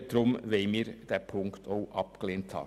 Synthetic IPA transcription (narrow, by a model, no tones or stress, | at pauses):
d̪̥ɾʊmʋeɪmiːɾd̥ɛpʰʊŋktʰoʊʔɑp̚kleːnt̪hɑ̰ː